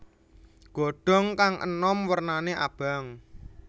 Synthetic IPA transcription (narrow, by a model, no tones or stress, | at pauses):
ɡ̥o̤ɖ̥ɔ̤ŋkaŋʔə̰nɔmwərnaneʔa̰b̥a̤ŋ